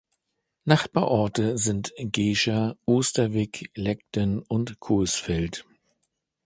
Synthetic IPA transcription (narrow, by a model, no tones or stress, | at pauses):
naχb̥aɐʔɔɐtəzɪntɡ̥eːʃɐʔoːstɐvɪklɛk̚tənʊntkʰʊːsfɛlt